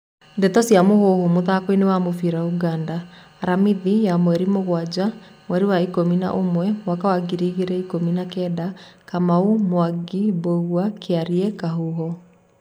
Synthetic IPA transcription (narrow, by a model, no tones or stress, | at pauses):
ndɛtɔsiamohohomoðakoinewamofiɾauɡandaː | ɾamiðijamwɛɾimoɣwad͡ʑamwɛɾiwaikomina̰ʔomwɛmwakawaɡiɾiɣeɾɛikominakɛdakamaumwaɡiboɣwakeaɾiɛkaɦuɦɔ